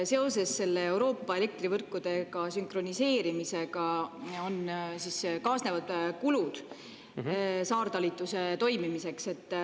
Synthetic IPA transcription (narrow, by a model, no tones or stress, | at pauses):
se̞o̞se̞sːe̞lːe̞ewɾo̞ːpːɑele̞k̚t̪rivɤrkːˑud̪̥e̞ɡ̥ɑsyŋkro̞nise̞ːɾimise̞ɡ̥ɑo̞nsiskɑːsne̞vɑd̪̥kulud̪̥ | sɑːrd̪̥ɑlit̪ːˑuse̞t̪o̞jmimise̞kse̞t̪ː